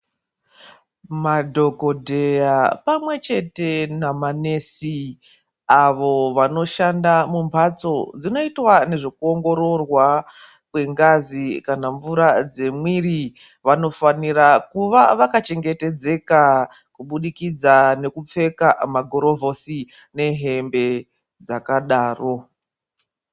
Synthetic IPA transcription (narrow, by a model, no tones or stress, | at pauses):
madʱo̞ko̞dʱe̞japamwe̞t͡ʃe̞te̞namanesi | aʋo̞ʋano̞ʃandamumbat͡so̞d͡zino̞itwane̞ʐe̞kuo̞ŋɡo̞ɾo̞rwa | kwe̞ŋɡazikanaɱvuɾad͡ze̞mwiri | ʋano̞fanirakuʋaʋakat͡ʃe̞ŋɡe̞te̞d͡ze̞ka | kuɓuɗikid͡zane̞kup͡fe̞kamaɡʱoɾo̞vʱo̞si | ne̞ɦe̞mbe̞ | d͡zakaɗaːro̞